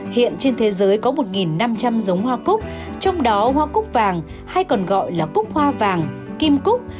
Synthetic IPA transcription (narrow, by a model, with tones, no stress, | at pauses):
hḭ˧˨ənt͡ɕe˧nt̪ʰe˨˦zəː˨˦jkɔ˨˦mo˨˩t̚ŋi˨˩nːa˧mt͡ɕa˧mzə˨˦wŋ͡mhwaː˧kʊ˦˥k͡p̚t͡ɕɔ˧wŋ͡mɗɔ˨˦hwaː˧kʊ˦˥k͡p̚vaː˨˩ŋ | ha˧jkɔ˨˩nɣɔ̰˧˨jlaː˨˩kʊ˦˥k͡p̚hwaː˧vaː˨˩ŋ | ki˧mkʊ˦˥k͡p̚